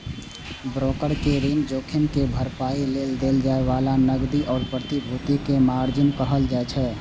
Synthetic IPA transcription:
bɾoːkəɽkeɾiːnd͡ʒoːkʰɪnkebʱəɾpaːileːld̪eld͡ʒaːeʋaːlanəɡd̪iʔɔːɾpɾət̪ibʱut̪ikemaːɾd͡ʒənkəɦəld͡ʒaɛt͡ʃʰɛː

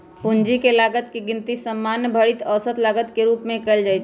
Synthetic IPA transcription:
pʊnd͡ʒikelaːɡət̪keɡɪnt̪isəmːaːnjəbʱəɽit̪əːsət̪laːɡət̪keɾuːpmẽkəld͡ʒajt͡ʃʰ

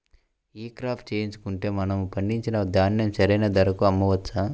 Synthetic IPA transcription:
iːkɾaːpʰʈ̚t͡ʃeːjiɲt͡ʃu̥kuɳʈe̞ːmɐnɐmupɐɳɖiɲt͡ʃinɐd̪aːnjɐmsɐɾɐjnɐd̪ɐɾɐkuɐmːɐʋɐtːsa

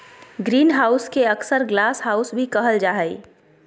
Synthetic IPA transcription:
ɡɾiːnɦaːʊskeəksəɾɡlaːsɦaːʊsbʱikɐɦəld͡ʒaːɦəi

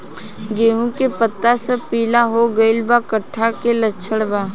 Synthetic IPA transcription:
ɡeːɦũkepət̪ːasəpiːlaɦoɡəɪlbakəʈʰːakelətːt͡ʃʃʰəɽbaː

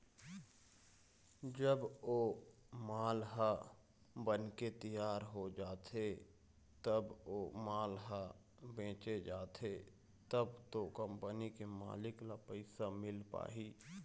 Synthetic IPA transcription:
d͡ʒəboː | maːlɦa | bənket̪ijaːɾɦod͡ʒaːt̪ʰe | t̪əboːmaːlɦa | bẽːt͡ʃed͡ʒaːt̪ʰe | t̪əbt̪okə̃mpənikema̰ːlɪklapəɪsamɪlpa̰ːɦiː

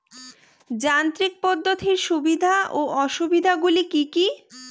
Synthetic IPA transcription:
d͡ʑant̪ɾik̚pɔd̪ːot̪ʰiɾʃubid̪ʱaʔoʔɔʃubid̪ʱaɡulikiki

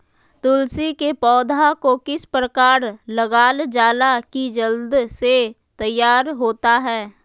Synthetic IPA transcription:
t̪ʊlsikepɔːd̪ʱakokɪspɾəkaːɾləɡaːld͡ʒaːlakid͡ʒəld̪se | t̪ɐjːaːɾɦoːt̪aɦɛː

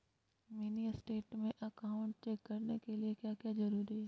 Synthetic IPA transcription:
miːnisʈeːʈmẽʔɐkaːʊ̃ɳʈ̚t͡ʃɛːkːɐɾnekeliekjaːkjazɐɾuːɾiɦeː

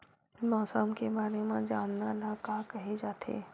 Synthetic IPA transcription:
mɔːsəmkebaːɾemẽd͡ʒaːmnalakakɐɦed͡ʒaːt̪ʰḛː

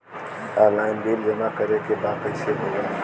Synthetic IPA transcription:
aɾlaːɪnbiːld͡ʒɐmakɐɾẽkebaːqesebʱoːɡaː

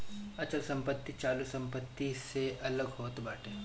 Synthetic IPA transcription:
ɐt͡ʃəlsɐ̃mpət̪ːit͡ʃaːlusɐ̃mpət̪ːiseʔɐləɡɦoːt̪baːʈʰeː

